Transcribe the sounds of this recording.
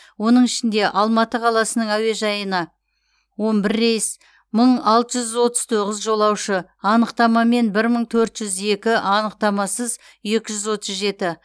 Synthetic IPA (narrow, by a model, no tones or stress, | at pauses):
wo̞nəɴɪʃɪnd̪e̞ʔɑlˠmɑt̪əqʰɑlˠɑsənəɴæwe̞ʒɑjənɑ | wo̞nbɪɾːe̞jɪs | məɴɑlˠt̪əʒʏzwo̞t̪əz̥t̪ʰo̞ʁəzʒo̞lˠɑwʃəɑnəqt̪ɑmɑme̞nbɪɾməɴt̪ʰɵɾt̪ʒ̥ʏze̞kʲɪʔɑnəq̚t̪ɑmɑsəz | e̞kʲɪʒʏzwo̞t̪əzʒe̞t̪ɪ